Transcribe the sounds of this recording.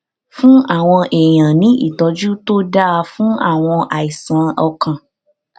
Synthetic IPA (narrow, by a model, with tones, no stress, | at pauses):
fũ˦a˦˨w̃ɔ̃˧ʔe˨j̃ã˨nĩ˦ḭ˦˨tɔ˨˧d͡ʒu˦to˦da˦a˧fũ˦a̰˦˨w̃ɔ̃˧ʔa˨i˨sã˨˦ɔ˧kã˨